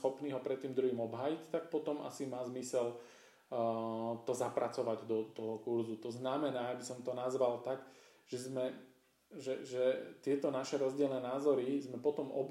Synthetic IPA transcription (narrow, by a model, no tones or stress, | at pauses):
xɔpniːɦɔpɾɛt̪ːiːmd̪ɾuɦiːmɔbɦaːjict̪ak̚pɔt̪ɔmʔa̰simaːzmisɛl | t̪ɔzapɾat͡sɔʋaɟd̪ɔt̪ɔɦɔkuɾzut̪ɔznamɛnaːjabisɔmt̪ɔnazʋalt̪aɡ | ʒ̥ɛzmɛ | ʒɛʒɛt̪ɪɛt̪ɔnaʃɛɾɔzɟɪɛlnɛːnaːzɔɾizmɛpɔt̪ɔmɔ̰b